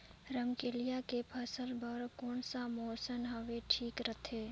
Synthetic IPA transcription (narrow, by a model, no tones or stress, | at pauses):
ɾəmkelijakepʰəsəlbəɾkɔːnsamoːsənɦəʋeʈʰiːkɾət̪ʰeː